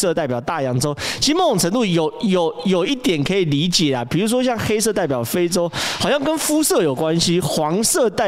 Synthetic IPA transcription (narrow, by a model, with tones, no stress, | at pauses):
sɤ˥˧t̪a˥˩ɪp̬ʲjɑ˨˩t̪a˥˨jɑ˧˥˦ŋʈ͡ʂo˥˦ʊt͡ɕʰi˧˦˥m˥˩ʈ͡ʂo˨˩ŋ̃˩ʈ͡ʂʰə˧˥ŋt̪u˥˩jo˨˩ʊjo˨˦ʊjo˨˩ʊi˦˩t̪jɛ˨˩nkʰə˧˥i˨˩li˨˦t͡ɕjɛ˨˩la˦pʰi˨˩ɻu˧˥ʂ̬wɔ˥ɕ̬jɑ˥˨ŋxe˥ɪs̬ɤ˥˧t̪a˥˩pjɑ˨˩ʊfe˥ɪt͡so˦ʊɑ˨˩ʊɕɑ˥˩ŋkə˦nfu˦sɤ˥˨jo˨˩ʊkwa˦nɕi˦xwɑ˧˦ŋsɤ˥˧t̪a˥˩